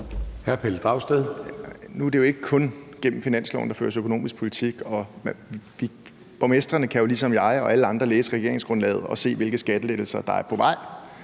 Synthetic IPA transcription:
hæɐpʰeld̥ʁɑ̈ʊsd̥eðˠnuæd̥ejo̝e̝ɡ̥əkʰɔ̽nɡ̥em̰m̩finæn̰slɒ̰ʊnd̥ɑ̈fø̰ːɐt͡sʰe̝økʰo̝no̝̰ːmisɡ̥pʰo̝lit͡sʰiɡ̥ɒ̽ | ʋi | b̥ɒmesd̥ʁɐnəkʰæjo̝lisɒ̽mjɑ̈ɪɒ̽ʔæləɑ̈nd̥ʁɐleːsəʁɛɡ̥e̝ɐ̰e̝ŋsɡ̥ʁɔ̽nlɛ̰ːð̞̩ˠɒ̽se̝̰ːʋe̝lɡ̥əsɡ̥æd̥əleɡ̥l̩sɐd̥ɑ̈æɐpʰɒ̽ʋɑ̈ɪ̰

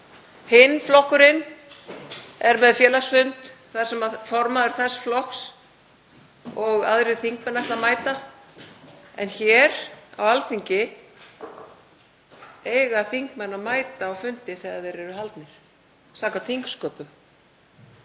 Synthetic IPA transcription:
hɪnːflɔhkʏɾɪn | ɛɾmɛðfjɛːlaɣsfʏnt̪θað̥sɛmaðfɔɾmaðʏɾ̥θɛsflɔks | ɔɣaðɾɪðθiŋk̚mɛnaɛht̪lamaːjt̪a | ɛ̰nçɛɾa̰walθiɲcɪ | eːjɣaθiŋkmɛnːaðmaːjt̪aːwfʏnt̪ɪθɛɣaɾðɛɾɛɾʏɦalt̪nɪɾ̥ | saːkaθiŋkskœːpʏm

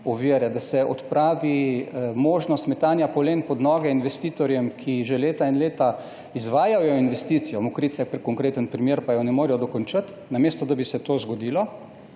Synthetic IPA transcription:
ɔʋiəɾɛd̪asɛʔɔt̪pɾaːʋimoːʒnɔst̪mɛt̪aːnjapɔleːnpɔd̪nɔːɡɛinʋɛst̪iːt̪ɔɾjɛmkʰiʒeleːt̪ainleːt̪a | izʋaːjajɔinʋɛst̪iːt̪sijɔmɔkɾiːt̪sakpɾɛkɔŋkɾeːt̪ənpɾimjeːɾpajɔnɛmoːɾɛjɔd̪ɔkɔnt͡ʃət̪ | nameːst̪ɔd̪abisɛt̪oːzɡɔd̪iːlɔ

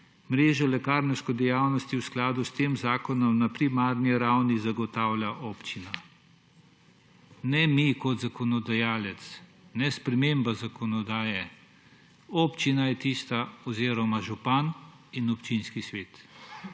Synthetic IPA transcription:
mɾeːʒɔlɛkaːɾnɛwskɔd̪ɛjawnɔst̪iwsklaːd̪ust̪eːmzaːkɔnɔmnapɾimaːɾniɾawnizaɡɔt̪awlʲaʔoːpt͡ʃina | nɛmikɔt̪zakɔnɔd̪ajaːlɛt̪snɛspɾɛmeːmbazakɔnɔd̪aːjɛ | ɔpt͡ʃinajɛt̪iːst̪aɔziːɾɔmaʒupan | inɔpt͡ʃinskisʋeːt̪

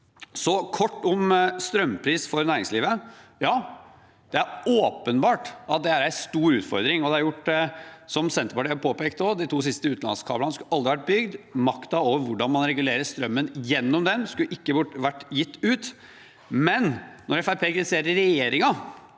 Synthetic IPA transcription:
sɔkʰɔʈːɔmst̪ɾœmpʰɾiːsfɔɾnæːɾɪŋsliːʋəjɑː | d̪̥ɛæɾoːpənbɑːʈɑt̪̚d̪ɛæɾæɪst̪uːɾʉːt̪fɔ̰ɾd̪ɾɪŋɔd̪ɛɑɾjʊʈːsɔmsɛnt̪əpɑʈiːɑɾpʰoːpeːkt̪oːd̪ɪt̪ʰuːs̬ɪst̪əʉːt̪lɑ̰nskʰɑ̰ːblənəskʉɑld̪ɾɪʋæʈ̚bʏɡd̪mɑkt̪ɑoːʋəɾʋʊɖɑnmɑnɾɛɡʉleːɾəst̪ɾœmːənjɛnːɔmd̪ɛnskʉʔɪkːəbʊʈːʋæʈːjɪt̪ːʉːt̪ | mɛnnɔɾɛfæɾpʰeːkɾɪɪseːɾəɾɛjeːɾɪŋɑ

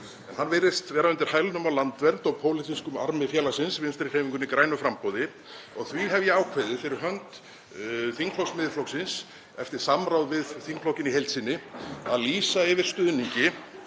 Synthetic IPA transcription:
ɛnhanveɾɪst̪vɛːɾaʏnt̪ɪɾ̥hajlʏnʏmawlant̪vɛɾt̪ɔɣpʰoːwlɪt̪ʰiskʏma̰ɾmɪfjɛlasɪnsvɪnst̪ɾɪkheːjviŋkʏnikɾaːjnʏfɾampowðɪ | ɔɣθviɦɛvjɛaːwkʰvɛðɪfɪɾɪɾ̥ɦœnt̪ | θiŋkʰlɔwksmɪðflɔwksɪns | ɛft̪ɪɾ̥samɾawðvɪðθiŋkflowcɪniɦejlt̪sinːɪaðliːsaɪvɪɾ̥st̪ʏːðniɲcɪ

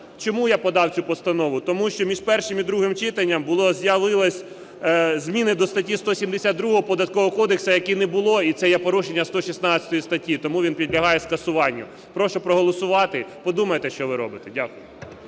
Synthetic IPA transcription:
t͡ʃɔmujapɔd̪ɑwt͡sʲupɔst̪ɐnɔʋʊt̪ɔmuʃt͡ʃɔmʲiʒpɛrʃɪmid̪ɾuɦɪmt͡ʃɪt̪ɐnʲːɐmbʊlˠɔzʲjɐʋɪlˠɐsʲ | zʲmʲinɪd̪ɔst̪ɐtʲist̪ɔsʲimd̪esʲad̪d̪ɾuɦɔɦɔpɔd̪ɐt̪̚kɔɦɔkɔd̪eksɐjɐkinɛbʊlˠɔit̪sɛjɛpɔɾuʃenʲːɐst̪ɔʃisnɑɐ̥t̪ɔjist̪ɐtʲːit̪ɔmuʋʲinpʲid̪ʲlʲɐɦɑjɛskɐsʊʋɑnʲːʊ | pɾɔʃʊpɾɔɦɔlˠɔsʊʋɑt̪ɪpɔd̪umɐjet̪ɛʃt͡ʃɔʋɪɾɔ̰bɪt̪ɛdʲakʊjʊ

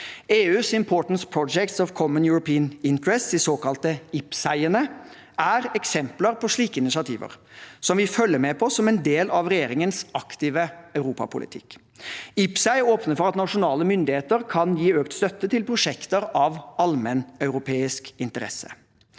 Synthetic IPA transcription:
eːʉːsɪmpʰoːʈn̩spʰɾɔd͡ʒɛkt̪sɔʋkʰɔmənjʊɹʊpiːənɪnt̪əɹɛst̪d̪ɪsoːkɑlt̪əɪpsæɪənə | ʔæɾɛksɛmpləɾpʰɔʂɭiːkəɪnɪsɪɑt̪ʰḭːʋə̰ɾsɔmʋɪfœlːəɾmɛpʰɔsɔmɛnd̪eːlɑʋɾɛjeːɾɪŋənsɑkt̪iːʋəɑʉɾuːpɑ̰pʰʊlʔɪ̰t̪ʰɪ̰kː | ɪpsæɪoːpnəfɔɾɑt̪nɑʂʊnɑːləmʏnd̪ɪheːt̪əɾkʰɑnjiːøːkt̪st̪œt̪ːət̪ʰɪlpʰɾʊʂɛkt̪əɾɑʋɑlmənœʉɾʊpʰeːɪskɪnt̪əɾɛ̰sə̥̰

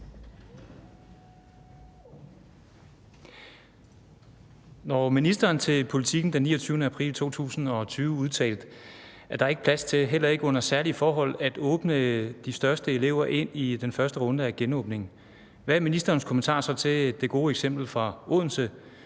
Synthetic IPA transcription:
nɒminisd̥ɐːnt͡sʰe̝lpʰo̝lit͡sʰiɡ̥n̩d̥enːḭːɐt͡sʰyʊnəæpʰʁḭːlt͡sʰo̝̰ːt͡sʰṵːsn̩ɒ̽t͡sʰyːʊəuð̞ˠt͡sʰɛ̰ːld̥ | æɐd̥ɑ̈e̝ɡ̥ə̥pʰlæst͡sʰe̝lɦel̰ɐe̝ɡ̥ɔ̽n̰ɐsæɐlifɒːɦɒ̽l̰æd̥ɔ̽ːb̥nəd̥isd̥ɶɐsd̥əe̝le̝ʊ̰ɐʔe̝n̰id̥enfɶɐsd̥əʁɔ̽nd̥əæɡ̥enɔ̽ːb̥ne̝ŋn̩ | ʋææɐminisd̥ɐːnskʰo̽mən̩t͡sʰɑ̰̈ːsɒ̽t͡sʰe̝d̥e̝ɡ̥o̝ːeɡ̥sem̰b̥l̩fʁɑ̈o̝ð̰ˠn̩sə

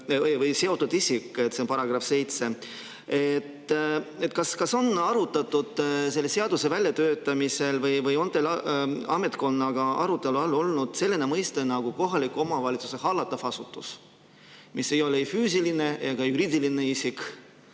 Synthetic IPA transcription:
vɯjse̞o̞t̪ːˑud̪isikːˑet̪ːsenpɑɾɑɡ̥ɾɑfse̞jt̪se̞ | et̪ːe̞t̪ːkɑskɑso̞nɑɾut̪ːˑɑt̪ːˑud̪̥selːe̞se̞ɑd̪̥use̞vælʲjɑt̪ø̞ːt̪ːˑɑmise̞lvɯjvɯjo̞nt̪elɑ̰me̞t̪ko̞nːɑɡ̥ɑʔɑ̰ɾut̪ːˑe̞luɑlːo̞lnud̪̥se̞lːenemɤjst̪enɑɡ̥uko̞ɦɑlikuo̞mɑvɑlʲit̪su̥se̞hɑlːɑt̪ːˑɑfɑsut̪ːˑus | misːe̞jo̞lefyːs̬iline̞jɑɡ̥ɑjuɾiːd̪ilineisik

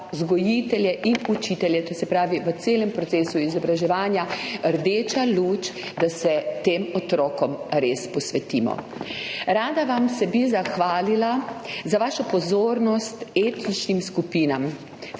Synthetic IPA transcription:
zɡɔjit̪ɛljɛʔinut͡ʃit̪ɛljɛt̪osɛpɾaːʋiʋət̪seːlɛmpɾɔt̪seːsuizɔbɾaʒɛʋaːnjaəɾd̪eːt͡ʃaluːt͡ʃd̪asɛt̪eːmɔt̪ɾɔːkɔmɾeːspɔsʋɛt̪iːmɔ̰ | ɾaːd̪aʋamsɛbizaxʋaːlilazaʋaːʃɔpɔzoːɾnɔst̪eːt̪nit͡ʃnimskupiːnam

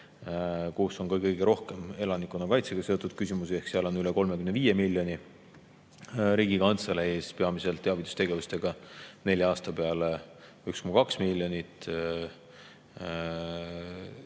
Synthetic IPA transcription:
kuːso̞nkɤkɤjɡ̥eɾo̞hke̞me̞lɑnikːˑonːɑkɑjt̪se̞ɡɑse̞ot̪ːud̪̥̚kysʲimusie̞hksiɑlo̞nyleko̞lmekymneviːjemilʲːjo̞ni | ɾiːɡ̥ikɑnt̪selee̞ːspe̞ɑmise̞lt̪ːeɑvit̪ːˑu̥st̪e̞ɡe̞vust̪e̞ɡ̥ɑne̞lʲjɑɑːst̪ɑpe̞ɑle | ykskumukɑksmilʲjo̞nit̪ˑ

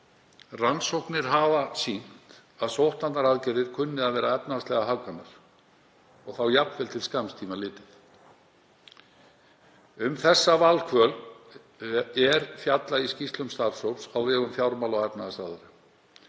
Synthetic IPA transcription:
ransowknɪɾ̥ɦavasin̥t̪ | aðsowht̪nannaɾaðcɛɾðɪɾ̥kʰʏnːɪðaðvɛːɾaɛpnastlɛɣaɦakːanːaɾ̥ | ɔɣθawjapnvɛlt̪ʰɪlskamst̪ʰiːmalɪːt̪ɪθ | ʏmθɛsːavalkʰvœːl | ɛɾfjat̪laiscist̪lʏmst̪aːɾsowpsawvɛːɣʏmfjawɾmalɔɣɛpnaðasaðaɾɪ

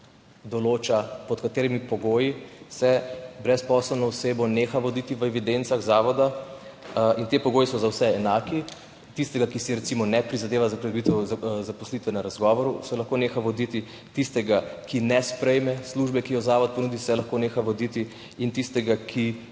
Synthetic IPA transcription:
d̪ɔloːt͡ʃapɔt̪kat̪eːɾimipɔɡoːjisɛbɾɛspɔsɛlnɔwseːbɔneːxaʋɔd̪it̪iʋəɛʋid̪ent̪saɣzaːʋɔd̪a | int̪epɔɡoːjisɔzawsɛɛnaːki | t̪ist̪ɛɡakisiɾɛt̪simɔnɛpɾizad̪eːʋazakɾɛd̪bit̪ɛwzapɔslit̪ʋɛnaɾazɡɔːʋɔɾusɛlɐxkoneːxaʋɔd̪it̪i | t̪ist̪ɛɡakinɛspɾɛjmɛsluːʒbɛkijɔzaːʋɔt̪̚pɔnuːd̪isɛlaxkoneːxaʋɔd̪it̪i | int̪ist̪ɛɡakʰi

